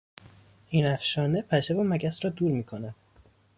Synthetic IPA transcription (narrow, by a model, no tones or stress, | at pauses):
ʔiːnæfʃɒːnepʰæʃevomæɟæsɾɒːd̪uːɾmiːkʰonæd̪̥